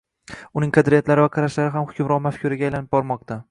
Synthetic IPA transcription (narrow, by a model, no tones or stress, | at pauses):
ʊnɪŋqʰɑd̪ɾijat̪laɾɪvaqʰɑɾaʃlaɾɪɦamhʊkʰʲʊmɾɒlˠmafkʲʰʊɾaɡʲajlanɪb̚bɒɾmɒq̚t̪ʰa